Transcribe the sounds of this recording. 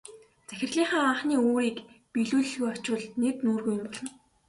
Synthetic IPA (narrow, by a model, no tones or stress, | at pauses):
t͡sæxʲɪ̆rɮiːɴχaːaːɴχniːoːɾiːkpiɮuːɮɘ̆ɮɣujɔt͡ɕwə̆ɮnet̪nuːrɣuːjʊnpɔɮɞ̆n